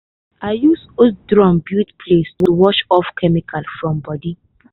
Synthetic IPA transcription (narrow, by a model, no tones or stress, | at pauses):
ajusodɹɔ̃mbjutpʰlestwuwɔʃɔfkʰɛmikʰalfɹɔ̃mbɔdi